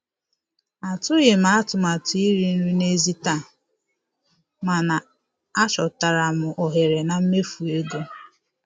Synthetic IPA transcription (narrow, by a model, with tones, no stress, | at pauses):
a˨tʊ˦ɣe˨ma˦a˦tʊ˨ma˨tʊ˨˦i˦ɾi˦n̩˦ɾu˦ne˦zi˦ta˦˨ | ma˨na˨ | a˦t͡ʃɔ˨ta˨ɾa˨mʊ˨ʔɔ˨ɦe˨ɾe˨na˨m̩˦me˦fu˨e˦ɡo˦